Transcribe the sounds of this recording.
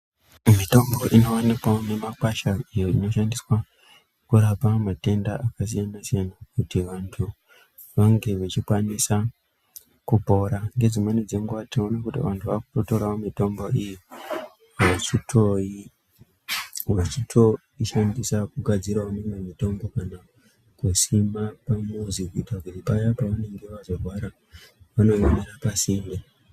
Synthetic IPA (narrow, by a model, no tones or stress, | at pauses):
mito̞mbo̞ʔino̞onikwaone̞makwaʃaijo̞ino̞ʃandiswa | kuɾapamate̞ndaʔakas̬ijanasijanakutiʋantʰu | ʋaŋɡe̞ʋet͡ʃikwanisa | kupo̞ɾaŋɡe̞d͡zimanid͡ze̞ŋɡatinonakutḭʋantʰuʋakutoto̞ɾaomito̞mbo̞iji | ʋat͡ʃitʰo̞i | ʋat͡ʃitʰo̞ | iʃandisakuɡʱad͡ziɾaonememito̞mbo̞kana | kusimapamuzikuitakutipajapaʋane̞ŋɡe̞ʋazo̞rʱwaɾa | ʋano̞eneɾapasiːmde